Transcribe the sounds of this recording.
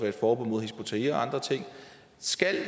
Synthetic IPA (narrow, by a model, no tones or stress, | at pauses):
ʋeɐd̥fɒːb̥ɔn̰mo̝ð̞ˠɦesb̥o̝t͡sʰeiɒɑ̈nd̥ʁɐt͡sʰe̝ŋ̰ | sɡ̥æl